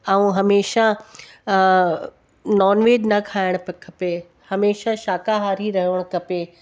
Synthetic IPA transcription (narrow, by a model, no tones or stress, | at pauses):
aũɦɐmeːʃa | nɔːnʋeːd͡ʑnɐkʰaːɪɽ̃pɐkʰɐpe | hɐmeːʃaʃaːkaɦaːɾiɾɐɦiʋəɽ̃kɐpeː